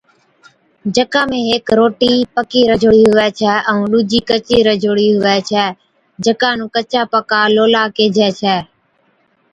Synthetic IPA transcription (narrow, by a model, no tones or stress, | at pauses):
d͡ʒəkãːmẽːɦeːkɾoːʈiːpəkiːɾəd͡ʒʱoːɽiːɦʊʋɛːt͡ʃʰɛːʔə̃ũːɗuːd͡ʒiːkət͡ʃiːɾəd͡ʒʱoːɽiːɦʊʋɛːt͡ʃʰɛː | d͡ʒəkãːnũːkət͡ʃaːpəkaːloːlaːkeːd͡ʒʱɛːt͡ʃʰɛː